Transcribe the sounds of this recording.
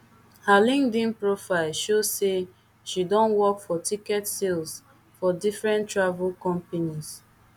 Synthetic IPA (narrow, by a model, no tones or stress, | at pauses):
halĩŋdĩnpɹofaɪlʃozse | ʃidɔ̃nwɔkfɔtikɛtsils | fɔdifɹɛ̃ntɹavulkɔ̃mpenis